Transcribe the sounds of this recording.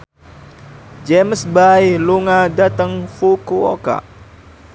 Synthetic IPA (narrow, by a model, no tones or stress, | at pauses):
d͡ʒemsbajluŋadat̪əŋfukuo̰ka̰